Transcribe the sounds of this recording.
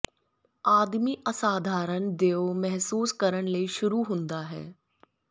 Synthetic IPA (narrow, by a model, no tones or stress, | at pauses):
aːd̪miʔɐsaːd̪ʱaːɾəñd̪eːomɛɦsuːskɐɾəɽ̃ləiʃʊɾuɦʊ̃nd̪aɦɛ̰ː